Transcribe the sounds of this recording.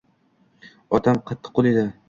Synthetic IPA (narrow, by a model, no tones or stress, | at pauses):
ɒt̪ʰamqʰɑt̪ʰːɨ̥qːolˠed̪ɪ